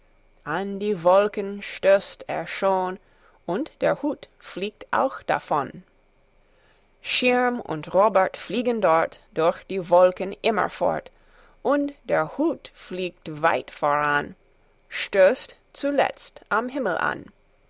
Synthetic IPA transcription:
ʔandiːvɔlkənʃtøːstḛːɐʃoːn | ʔʊntd̥eːɐhuːt | fliːk̚tʔa̰ʊxd̥a̰fɔn | ʃɪɹmʊ̰ntʁoːbɛtfliːɡəndɔɐtd̥ʊɐçd̥iːvɔlkənʔɪmɐ̰fɔ̰ɐt | ʔʊntd̥eːɐhuːtfliːk̚tva̰ɪtfoːʁan | ʃtøːst | t͡sulɛ̰t͡stʔamɦɪml̩ʔa̰n

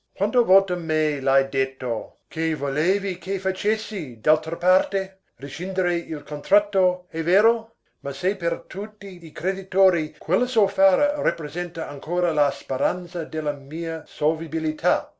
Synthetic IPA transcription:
kwant̪ovolt̪omelajd̪et̪ːo | kʰevoleːvikʰefat͡ʃesːid̪alt̪ɾəpart̪e | rit͡ʃind̪eɾeilkʰont̪ɾat̪ːoeveːɾo | masejpert̪ʰut̪ːiːkɾed̪it̪oːɾikwelːəsofaːɾəɾapɾezɛnt̪aaŋkʰoːɾəlaspeɾant̪sɐd̪elːɐmiːɐsolvibilit̪ʰa

